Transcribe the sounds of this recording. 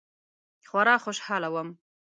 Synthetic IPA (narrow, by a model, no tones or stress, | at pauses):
xwaɾɑːxoʃhɑːlawəm